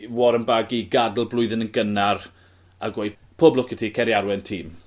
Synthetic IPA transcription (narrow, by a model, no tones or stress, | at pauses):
wɔɾənbaɡiɡadl̩ˠblˠʊɨðɪnənɡənar | aɡweɨ | pʰoːblˠɔkɪtʰikʰɛɾjaɾwɛntʰiːm